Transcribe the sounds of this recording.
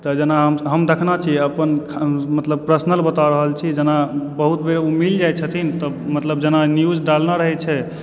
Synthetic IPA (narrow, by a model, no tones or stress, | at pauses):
t̪əd͡ʒenaɦəmɦəmd̪ekʰnat͡ʃʰiəpənkʰmət̪ləb̚pɾəsnəlbət̪aɾəɦəlt͡ʃʰid͡ʒenabəɦut̪beɾeumild͡ʒajt͡ʃʰət̪ʰint̪ə | mət̪ləb̚d͡ʒenanjud͡ʒɖalnaɾəɦɛt͡ʃʰɛ